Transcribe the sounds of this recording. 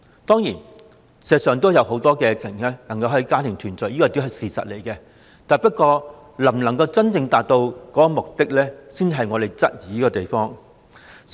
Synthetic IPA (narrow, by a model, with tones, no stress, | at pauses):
t̪ɔː˥ŋji˨˩n | sɛː˨˧sœː˨ŋt̪̬o˥wjɐ˨who˨˥wt̪ɔː˥kɛː˧t͡s̪ʰɪ˨˩ŋlɛː˥lɐ˨˩ŋkɐ˧whɵ˧jkaː˥t̪ʰɪ˨˩ŋt̪ʰyː˨˩nt͡sœ˨˩jiː˥kɔː˧t̪i˥ɦɐ˨jsiː˨sɐ̰˨t̚le˨˩jkɛ˧ | t̪aː˨jpɐ˥t̚kɔː˧ | lɐ˨˩mlɐ˨˩ŋkɐ˧wt͡sɐ˥nt͡sɪ˧ŋt̪aː˨t̚t̪o˧wkɔː˨˥kɔ˨˧mʊ˨k̚t̪ɪ˥k̚lɛː˥siː˥n˨ɦɐ˨jŋɔː˨˧t̪e˨jt͡sɐ˥t̚jiː˨˥kɔː˧t̪e˨jfɔː˥ŋ